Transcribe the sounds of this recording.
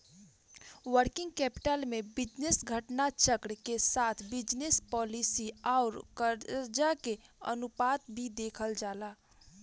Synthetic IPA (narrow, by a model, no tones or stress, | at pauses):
wəɾkɪ̃ŋɡ̚kɛːpɪ̥ʈəlmẽbɪd͡ʒnesɡʱəʈnat͡ʃəkɾkesaːt̪ʰbɪd͡ʒnespɔːlisiaːɾkəɾd͡ʒakeə̰nupaːt̪̚bʱid̪eːkʰəld͡ʒaːlaː